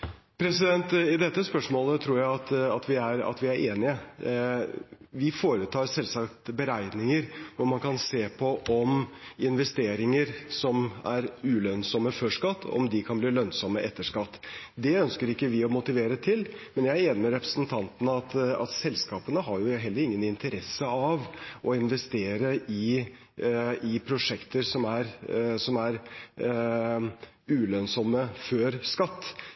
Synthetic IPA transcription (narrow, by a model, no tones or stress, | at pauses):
pʰɾɛsɪd̪ɛnt̪ɪd̪ɛt̪ːəspœʂmoːlət̪ʰɾuːɾjæɪɑt̪ɑ̰t̪ʋɪæɾɑ̰t̪ʋɪæɾʔeːnɪə | ʋɪfoːɾət̪ʰɑːɾsɛlsɑkt̪bəɾæɪnɪŋəɾʋʊɾmɑnkʰɑnseːpʰɔʔɔmɪnʋɛst̪eːɾɪŋəɾsɔmæɾʉːlœnsɔmːəfœʂkɑt̪ːɔ̰md̪ɪkʰɑnbliːlœnsɔmːəʔɛt̪ːəʂkɑt̪ː | d̪ɛœnskəɾɪkːəʋɪɔmʊt̪ɪʋeːɾət̪ʰɪlmɛnjæɪeːnɪmɛɾɛpɾə̥snt̪ʰɑnt̪ənəɑt̪ɑ̰t̪sɛlskɑːpənəɦɑɾjʊɦɛlːəɾɪŋːənɪnt̪əɾɛsːəɑʋʔɔɪnʋɛst̪eːɾəɪ | ɪpʰɾʊʂɛkt̪əɾsɔmæɾsɔmæɾ | ʉːlœnsɔmːəfœɾskɑt̪ː